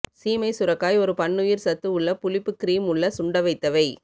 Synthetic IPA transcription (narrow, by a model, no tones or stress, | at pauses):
siːmɐɪsʊɾɐkːaːjɔɾɯpɐɳːʊjɪɾsɐt̪ːɯʊɭːɐpʊlɪpːɯkːɪɾiːmʊɭːɐsʊɳɖɐʋɐɪt̪ːɐʋɐɪ